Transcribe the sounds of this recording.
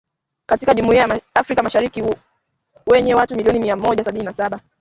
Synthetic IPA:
katikaʄumuiaafɾikamaʃaɾiki | wɛɲɛwatumiliɔnimiamɔʄasaɓininasaɓa

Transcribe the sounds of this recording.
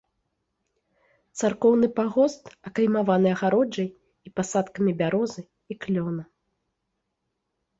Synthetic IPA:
t̪sarkɔwnɨpaɣɔst̪ɐkɐjmavanɨɐɣaɾɔd͡ʐɐj | ipasat̪kɐmʲibʲaɾɔzɨ | iklʲɔnɐ

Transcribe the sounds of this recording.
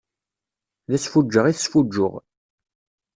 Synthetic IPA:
ðæsfud͡ʒːəʁiθəsfud͡ʒːʊ̰ʁ

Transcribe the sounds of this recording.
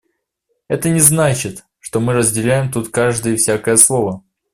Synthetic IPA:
ɛt̪ənʲɪznat͡ɕɪt̪ | ʂt̪o̞mɨɾəzʲdʲɪlʲæjɪmt̪ut̪kaʐd̪ɨjəfsʲakəjəslˠo̞və

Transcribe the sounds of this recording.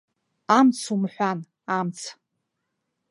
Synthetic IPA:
amt͡sʰumħʷan | amt͡sʰ

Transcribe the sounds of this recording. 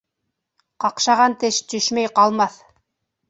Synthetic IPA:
qɑqʃɑʁɑnt̪ɘʃt̪ɵʃmæjqɑlˠmɑθ

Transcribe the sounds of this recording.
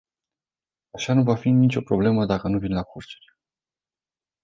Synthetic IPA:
aʃanuvafinit͡ʃo̞pɾo̞ble̞məd̪akənuvinlakʰort͡ʃe̥ɾʲ

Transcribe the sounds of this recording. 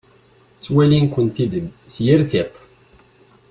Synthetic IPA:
t͡sːwælinkʷənt̪id̪əmsjiɾθɪq

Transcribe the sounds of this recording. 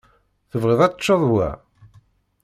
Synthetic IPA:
θəvʁeðˤɑt͡ʃːoðˤwæ̰

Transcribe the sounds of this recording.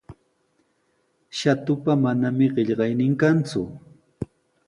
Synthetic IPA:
ʃat̪ʊpamanamɪɢeʎɢɑjnɪŋkant͡sʊ̰

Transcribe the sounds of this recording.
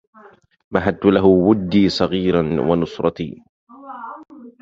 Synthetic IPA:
maɦad̪̚t̪ʊlaɦʊwʊd̪ːiːsˤɑɣiːɾɑnwanʊsɾˤɑt̪ḭː

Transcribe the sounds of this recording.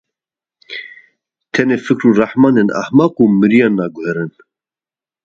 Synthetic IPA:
t̪ʰɛneːfɨkɾuːrɑħmɑːnena̰hmɑːquːmɨɾijɑːnːɑːɡʊhɛɾɨn

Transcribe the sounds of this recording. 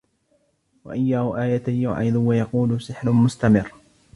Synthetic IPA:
wa̰ʔajːaːhʊʔaːjat̪ajʊ̰ʕɪd̪ʊwajɑquːlʊsɪħɾʊmʊst̪amɪrː

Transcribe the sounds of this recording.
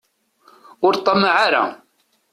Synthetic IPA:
ʊɾt̪ˤːɑmʕaɾa̰

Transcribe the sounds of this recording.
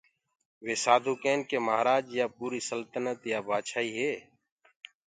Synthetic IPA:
ʋeːsaːd̪ʱuːkeːnkeːmaɦɾaːd͡ʒjaːpuːɾiːsəlt̪ənət̪jaːbaːt͡ʃʰaːiːɦeː

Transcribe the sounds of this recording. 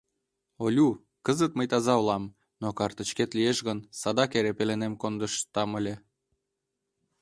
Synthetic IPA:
olʲu | kəzət̪məjt̪ɑzɑolɑm | nokɑrt̪ət͡ɕket̪lijeʃɣənsɑd̪ɑkeɾepelenemkond̪əʃt̪ɑməlʲe

